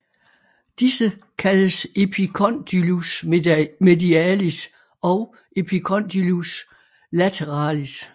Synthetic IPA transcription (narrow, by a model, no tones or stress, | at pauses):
d̥isəkʰæləse̝pʰikʰɒ̽nd̥ylusme̝diæːlis | ɒ̽ʊ | ʔe̝pʰikʰɒ̽nd̥ilus | læt͡sʰeʁɑ̰̈ːlis